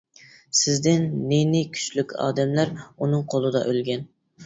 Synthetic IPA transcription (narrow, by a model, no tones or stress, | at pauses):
sɪzd̪ɪnːenɪkʲʰy̥ʃlykʲɑ̰ːd̪ɛmlæɾunɨŋqʰolˠɨd̪ɑ̰ʔølɡʲɛn